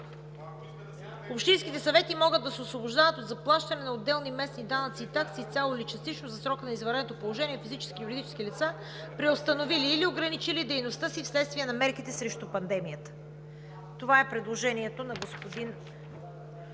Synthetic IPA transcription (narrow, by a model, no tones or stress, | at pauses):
opʃt̪inskʲit̪ɛsɐvɛt̪imɔɡəd̪ːɐsɛosvoboʒd̪avət̪od̪zɐplˠaʃt̪ɐnɛnɐod̪ːɛlˠnimɛsnid̪anət̪siːt̪aksiːt̪sʲjalˠoilit͡ʃɐst̪it͡ʃnozɐsɾɔkənɐizvɐɾɛot̪opolˠoʒɛniɛfizit͡ʃɛ̥skijuɾid̪it͡ʃɛ̥skilit̪sa | pɾiost̪ɐnoviliːlioɡɾɐnit͡ʃilid̪ɛjnost̪ɤsifslɛt̪st̪viɛnɐmɛɾkit̪ɛsɾɛʃt̪upɐnd̪ɛmijət̪ə̥ | t̪ovaɛpɾɛd̪lˠoʒɛniɛt̪onɐɡospod̪in